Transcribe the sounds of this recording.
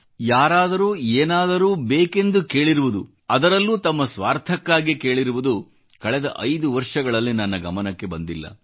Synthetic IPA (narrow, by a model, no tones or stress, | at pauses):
jaːɾaːd̪ɐɾuːeːnaːd̪ɐɾuːbeːke̞nd̪uke̞ːɭiɾuʋud̪u | ɐd̪ɐɾɐlːuːt̪ɐmːɐsʋaːɾt̪ʰɐkːaːɡike̞ːɭiɾuʋud̪u | kɐɭɛd̪ɐʔɐjd̪uʋɐɾʂɐɡɐɭɐlːinɐnːɐɡɐmɐnɐkːe̞bɐnd̪ilːɐ̰